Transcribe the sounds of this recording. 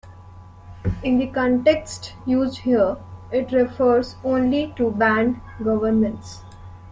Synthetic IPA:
ɪ̃nd̪ikɔ̃ɳʈeksʈjuːzɖhiəɾɪʈɾɛfəɾzõːnliʈubæ̃ːɳɖ | ɡʌʋəɾmə̃ɳʈs

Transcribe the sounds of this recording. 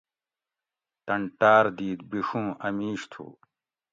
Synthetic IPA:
t̪ɐɳʈaːɾd̪iːd̪̚biʂũːɐmiːʂt̪ʰṵː

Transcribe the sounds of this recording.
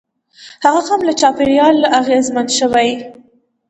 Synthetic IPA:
haɣahamlat͡ʃɑpeɾjɑlʔaɣezmanʃəwaj

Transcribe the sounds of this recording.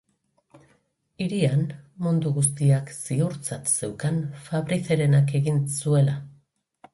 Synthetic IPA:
iɾianmund̪uɣus̬t̪iaksiuɾt͡sat̪se̞wkanfaβɾiseɾe̞nake̞ɣinsue̞la

